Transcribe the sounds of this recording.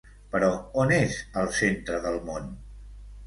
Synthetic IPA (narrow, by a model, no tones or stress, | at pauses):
pəɾɔonezəlˠsent̪ɾəðəlˠmon